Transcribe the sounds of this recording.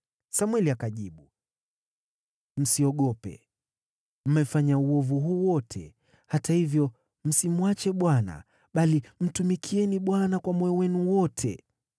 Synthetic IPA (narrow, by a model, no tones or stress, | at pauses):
samwɛliakaʄiɓu | m̩siɔɠɔpɛ̰ | m̩mɛfaɲauɔvuɦuːwɔtʰɛ̰ | hatahivjɔ | m̩simuwat͡ʃɛɓwana̰ | ɓalim̩tumikʰiɛniɓwanakwamwɛɔwɛnuwɔtʰɛ̰